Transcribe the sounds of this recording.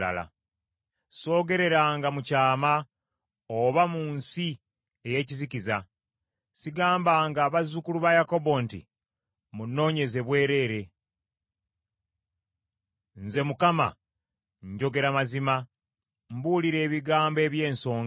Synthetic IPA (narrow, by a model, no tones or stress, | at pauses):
la̰la̰ | so̞ːɡe̞ɾe̞ɾaːŋɡamucaːma | oβamunsi | eje̞ːciziciza | siɡaːmbaːŋɡaːβazukuluβajako̞bo̞ntḭ | munːo̞ːɲe̞ze̞βwe̞ːɾe̞ːɾe̞ | nze̞mukama̰ | ɲɟo̞ɡe̞ɾamazima | mbuːliɾe̞ːβiɡaːmbe̞ːβje̞ːnso̞ːŋ